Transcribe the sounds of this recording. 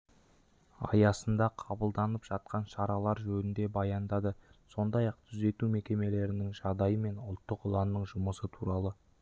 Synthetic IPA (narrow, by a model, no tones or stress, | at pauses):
ɑ̰jɑsənd̪ɑqʰɑbəlˠd̪ɑnəpʒ̥ɑt̪̚qɑnʃɑɾɑlˠɑɾʒɵnɪnd̪e̞bɑjɑnd̪ɑd̪əso̞nd̪ɑjɑq̚t̪ʰʏze̞t̪ume̞kʲe̞me̞le̞ɾɪnɪŋʒɑʁd̪ɑjəme̞nʊlˠt̪ːəqʊlˠɑmnəɴʒʊməsət̪ʰuɾɑlˠə